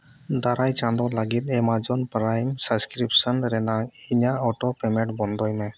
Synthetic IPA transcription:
d̪aɾajt͡ʃãnd̪ɔlaɡit̪̚ɛmad͡ʒɔnpɾajmsaskɾip̚sənɾɛnaŋiɲaɔʈɔpɛmɛ̃ʈbɔnd̪ɔjmɛ

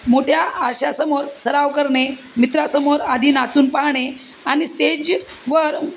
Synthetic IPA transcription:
moʈʰjaːɾɕasəmoɾsəɾaʋkəɾɳe | mit̪ɾasəmoɾad̪ʱiːnat͡suːnpaɦɳe | aɽ̃isʈed͡ʑ | ʋəɾ

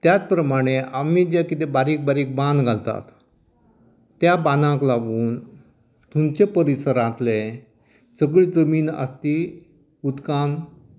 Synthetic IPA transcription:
t̪jat͡spɾəmaɽ̃eʔamid͡ʑakit̪ebaɾiːk̚baɾiːk̚bãnd̪ɡʱalt̪a̰t̪ | jabanãklaʋuːn | t̪ʰumt͡ɕepəɾisəɾat̪le | səɡɭid͡zəmiːnə̰st̪i | ut̪kam

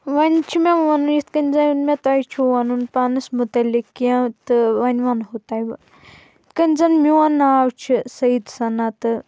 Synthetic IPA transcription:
ʋɐnʲt͡ʃʰimʲeʋɐnujit̪kɐnʲzɐnmʲet̪ɐjt͡ʃʰuʋɐnunpanɨsmut̪ɐlʲikːãt̪ɨʋɐnʲʋɐnɦut̪aj | kɐnʲzɐnmʲiwɐnaːwt͡ʃʰisɐjid̪sɐnat̪ɨ

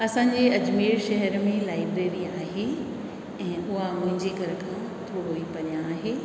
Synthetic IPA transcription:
ɐsãːɲd͡ʑeɐd͡ʑmiːɾʃɐɦɛɾmẽlaːɪbd̪eːʋĩaːɦe | ɛ̃ːʊɦamʊ̃ɦɪ̃ɲd͡ʑeɡɐɾəkʰã | t̪ʰoɦoipɐnijaːɦeː

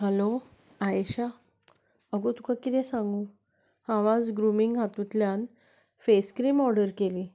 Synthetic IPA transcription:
ɦɛlo | aeɕa | əɡot̪u̥kakit̪ɛ̃sãŋɡu | haʋad͡zɡɾumiŋɡɦat̪ũt̪ljan | feskɾiːmɔɾɖəɾkeliː

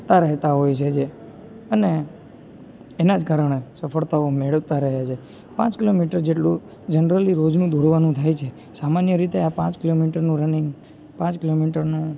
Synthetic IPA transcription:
t̪aɾəɦt̪aɦojt͡ʃʰed͡ʒe | əne | nad͡ʒkaɾəɳ̃esəfʰəɭt̪aomeɭəʋt̪aɾəɦjat͡ʃʰe | pã̰t͡ʃkilomiʈəɾd͡ʒeʈlũ | d͡ʒənɾəliɾod͡ʒnũd̪ʱoɾʋanũt̪ʰajt͡ʃʰe | samanjəɾit̪eapãt͡ʃkilomiʈəɾnũɾənɪŋɡ | pãt͡ʃkilomiʈəɾna

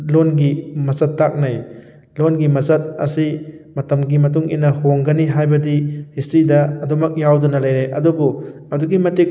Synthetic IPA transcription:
lonɡimɐzɐtːak̚naj | lonɡimɐsɐt̚ɐ̰simɐtɐmɡimɐtuŋḭnːɐhoŋɡɐniɦajbɐdihistɾidɐɐdɔmɐk̚jawdunɐlɐjɾeʔɐdubuɐduɡimɐtek̚

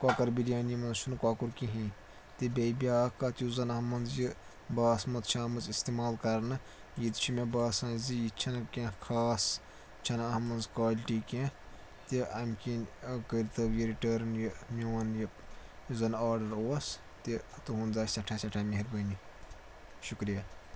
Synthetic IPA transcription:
kwaːkɐɾbilʲjaːnimɐnzt͡ʃʰunkwaːkuɾkiɦĩ | t̪ibʲɐjbʲijaːkat̪ʲjuzɐnɐɦmɐnzji | baːsmɐt̪t͡ʃʰaːmɐnzist̪imaːlkɐɾnɨ | jid̪t͡ʃʰimebaːsãːzijit͡ʃʰɐnkẽkʰaːs | t͡ʃʰɐnɐhmɐnzkwaːlʲiʈiːkʲẽ | t̪iɐmʲkʲinʲkəɾt̪ɐbjiɾiʈəːɾnjimʲiwɐnjɨzɐnaːɾɖɐɾoːɐs | t̪it̪uɦund̪aːsʲɐʈʰasʲɐʈʰameɦiɾbɐni | ʃukɾija

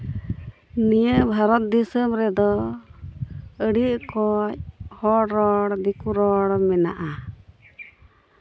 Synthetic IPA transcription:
nijəbʱaɾɔt̪̚d̪isəmɾɛd̪ɔ | əɽiʔkɔchɔɾɔɽd̪ikuɾɔɽmɛna̰ʔa

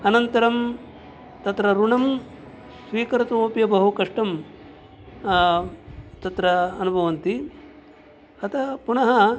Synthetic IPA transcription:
ɐnɐnt̪ɐɾɐm | t̪ɐt̪ɾɐɾuɳɐm | sʋiːkɐɾɐt̪ɐoːpjɐbɐɦukɐʂʈɐm | t̪ɐt̪ɾɐːnubʱɐʋɐnt̪i | ɐt̪ʰɐpuɳɐɦɐ

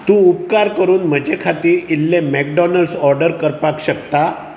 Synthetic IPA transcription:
t̪ũupkaɾkəɾuːnm̤əd͡ʑʱekʰat̪iːɾilːemɛk̚ɖɔnəlsɔɾɖəɾkəɾpakɕəkt̪a

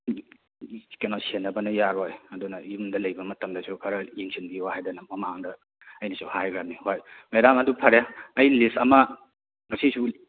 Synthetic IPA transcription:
kenosenːɐbɐnɐjaɾojɐdunɐjumdɐlɐjbɐmɐtɐmdɐsʰukʰɐɾɐjiŋsʰinbiwahajdɐnɐmɐmaŋdɐ | ɐjnɐsʰuhajɡɾamnihojmeɾamɐdupʰɐɾjaːjlistɐmɐ | ŋɐsisu

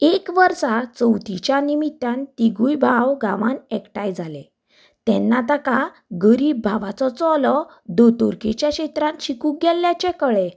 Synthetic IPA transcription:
ekʋəɾsat͡səwt̪it͡ɕjanimit̪ːant̪iɡujbʱawɡãʋanɛkʈajd͡zʱalḛ | t̪ɛnːat̪aka | ɡəɾiːbːʱaʋat͡sɔt͡sɔlɔ | d̪ot̪uɾket͡ɕjaɕet̪ɾãnɕikũɡɛlːjat͡ɕekəɭe

